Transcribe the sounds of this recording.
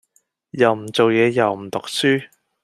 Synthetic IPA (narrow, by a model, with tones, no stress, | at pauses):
jɐ˨wm̩˨˩t͡so˨wjɛː˨˧jɐ˨wm̩˨˩t̪ʊ˨k̚syː˥